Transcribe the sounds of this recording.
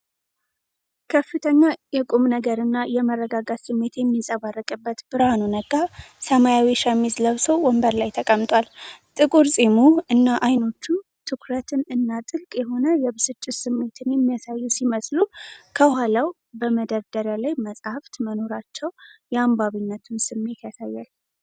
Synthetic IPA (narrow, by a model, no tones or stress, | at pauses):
kʰəfɨt̪ʰəɲːajɛkʼumnəɡəɾɨnːajɛmərːəɡaɡat̪sɨmːe̞t̪jɛmːisʼəβarːɨkʼɨbːət̪b̥ɨɾhanunəɡasəmajawiʃəmːizləβsowwɔmbəɾlajt̪ʰəkʼəmt̪ʼwalt̪ʼɨkʼuɾsʼemuɨnːaʔajno̞t͡ʃːu | t̪ʰɨkʰɾət̪ʰɨnɨnːat̪ʼɨlkʼjɛɦo̞nəjɛbɨsɨt͡ʃʼːɪt̪sɨmːe̞t̪ʰɨnjɛmːijasajːusiməslukʰəhalaw | bəməd̪əɾd̪əɾjalajməsʼhaft̪məno̞ɾat͡ʃːɛwjɛambaβinːət̪ʰunsɨmːe̞t̪jasajːal